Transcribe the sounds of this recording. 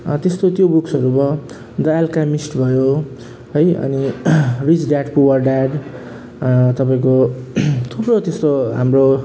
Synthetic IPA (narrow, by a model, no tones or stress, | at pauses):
t̪est̪ot̪jobuksʌɾubʌ | d̪ʌalkamisʈbʱʌjo | ɦʌjʌ̰nirit͡sɖaɖpuwʌrɖaɖ | t̪ʌpaĩkot̪ʰuprot̪est̪oɦamro